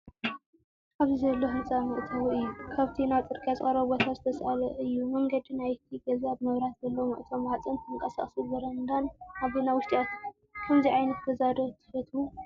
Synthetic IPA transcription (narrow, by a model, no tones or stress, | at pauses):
ʔaβzizɐlːoɦɨnt͡sʼamɨʔt̪ʰɐwɨjːukʰaβt̪ʰinaβt͡s̪ʼɨɾkʼat͡sʼχʼɐɾɐbot̪ʰazɨt̪ʰɐsʔa̰lɐ̰ʔɨjːumɐŋɡɐd̪inajt̪ʰiɡɐzabmɐβɾat̪zɐlːɐwmɨ̰ʔt̪ʰomʕat͡sʼɨnt̪ʰɨŋkʼɐsa̰χʼsɨlbɨɾɐnd̪anʔaβinawʊʃt̪ʼiat̪ | kʰɐmziʕajnɐt̪bɐzad̪ot̪ʰɨ̥fɐt̪ʰwu